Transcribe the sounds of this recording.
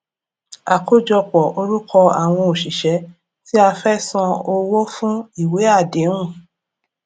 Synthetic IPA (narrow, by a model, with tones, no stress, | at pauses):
a˨ko˦d͡ʒɔ˧k͡pɔ˨ʔo˧ɾu˦kʰɔ˧a̰˨w̃ɔ̃˧o˨ʃi˨ʃɛ˨˦ | ti˦a˧fɛ˦sã˧o˧wɔ˦fũ˦i˦˨we˨˦a˦˨dẽ˨˦ũ˦˨